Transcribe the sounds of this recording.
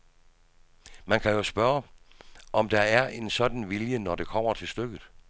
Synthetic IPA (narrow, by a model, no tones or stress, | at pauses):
mænkʰæjo̝sb̥ɶːɐ | ʔɒ̽md̥ɑ̈æɐʔe̝nsɒ̽d̥n̩ʋiljənɒd̥e̝kʰɒ̽m̰ɐt͡sʰe̝lsd̥øɡ̥ð̩ˠ